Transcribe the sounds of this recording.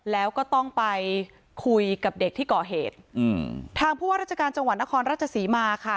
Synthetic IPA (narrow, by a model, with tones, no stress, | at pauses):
lɛː˦˥wkɔː˥˩t̪ɔ˥˩ŋpa˧j | kʰu˧jka˨˩p̚de˨˩k̚t̪ʰiː˥˩kɔː˨˩ɦeː˨˩t̪̚ːʰ | aː˧ŋpʰuː˥˩waː˥˩ɾa˥˩t͡ɕʰa˧kaː˧nt͡ɕa˧ŋwt̪̚na˦˥kʰɔː˧nɾaː˥˩t͡ɕʰa˧siː˩˦maː˧kʰa˥˩